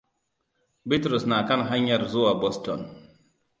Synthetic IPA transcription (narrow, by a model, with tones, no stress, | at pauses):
bi˦tɾu˨sna˨ka˦nɦa˦ɲa˦ɾzu˦a˨bɔ˦stɔ˨n